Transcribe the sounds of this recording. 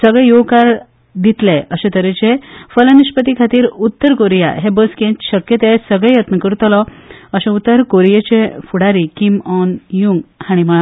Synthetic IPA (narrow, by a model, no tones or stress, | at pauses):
səɡɭɛjokaɾ | d̪it̪leʔəɕẽt̪əɾet͡ɕefələniɕpət̪ikʰat̪iːɾut̪ːəɾkoɾija̰ɦebəskẽt͡ɕɕəkjət̪esəɡɭɛjət̪nəkəɾt̪lɔəɕẽut̪ːəɾkoɾijet͡ɕefuɽaɾikimɔnjuŋɡhaɽ̃imə